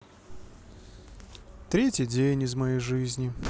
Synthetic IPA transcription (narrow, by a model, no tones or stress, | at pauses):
t̪ɾʲetʲjɪdʲejnʲɪzmɐjejʐɨzʲnʲɪ